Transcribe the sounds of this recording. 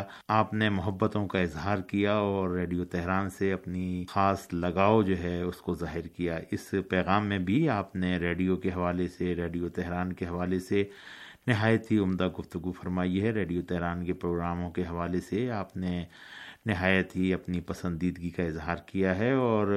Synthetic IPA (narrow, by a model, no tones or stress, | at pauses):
aːpnemʊɦəbːət̪õkaɪzɦaːɾkijaɔːɾːeːɖijot̪ɛɦɾaːnseɐpnixaːslɐɡaːod͡ʒoːɦɛʊskozaːɦɪɾkijaɪspɛːɣaːmːẽbʱiaːpneɾeːɖijokeɦɐʋaːleseɾeːɖijot̪ɛɦɾaːnkeɦɐʋaːlese | nɪɦaːjət̪ɦiʊmd̪aɡʊft̪ʊɡufɐɾmaːiɦɛɾeːɖijot̪ɛɦɾaːnkepɾoːɡɾaːmõkeɦɐʋaːleseaːpne | nɪɦaːjət̪ɦiɐpnipɐsə̃nd̪iːd̪ɡikaɪzɦaːɾkijaɦɛɔːɾ